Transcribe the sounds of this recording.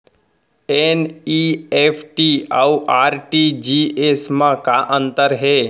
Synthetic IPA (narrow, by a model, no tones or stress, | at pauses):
eniepʰʈiauʔaːɾʈid͡ʒiesmãkaʔə̃nt̪əɾɦeː